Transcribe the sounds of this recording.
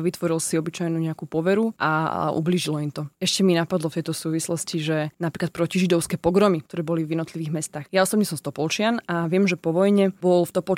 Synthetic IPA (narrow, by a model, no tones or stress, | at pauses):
ʋit̪ʋɔɾilsiɔbit͡ʃajnuːɲɛakuːpɔʋɛɾuʔa̰ʔṵbliːʒilɔimt̪ɔɛʃcɛminapad̪lɔft̪ɛjt̪ɔsuːʋislɔsciʒɛnapɾiːklat̪̚pɾɔciʒid̪ɔʊskɛːpɔɡɾɔmik̚t̪ɔɾɛːbɔlivjɛd̪nɔt̪liʋiːɣmɛst̪aːxjaɔsɔbɲɛsɔmst̪ɔpɔlt͡ʃɪanaʋɪɛmʒɛpɔʋɔjɲɛbɔlft̪ɔpɔl